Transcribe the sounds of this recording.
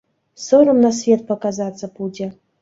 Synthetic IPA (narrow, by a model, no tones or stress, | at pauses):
soɾəmnasvʲet̪̚pɐkazat̪t͡s̪ːəpud͡zʲɛ